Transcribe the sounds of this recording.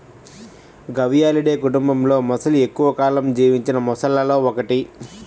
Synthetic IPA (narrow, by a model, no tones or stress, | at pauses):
ɡɐʋijaːliɽe̞ːkuʈumbɐmlo̞ːmɔsɐlue̞kːuʋɐkaːlɐmd͡ʒiːʋiɲt͡ʃinɐmɔsɐlːɐlo̞ːɔkɐʈi